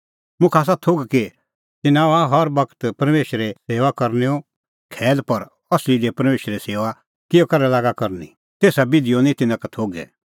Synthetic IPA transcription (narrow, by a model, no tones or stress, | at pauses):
mʊ̃kʰaːs̬at̪ʰoɡke | t̪ɪnãaɦɔɾbɐkt̪pɐɾmeːʃɾɛseːʋakɐɾneo | kʰɛːlpɐɾ | ɐslid̪epɐɾmeːʃɾeseːʋa | kɪjokɐɾɛlaːɡakɐɾni | t̪eːsabɪd̪ɪjonĩt̪ɪnãkat̪ʰoːɡɛ̰ː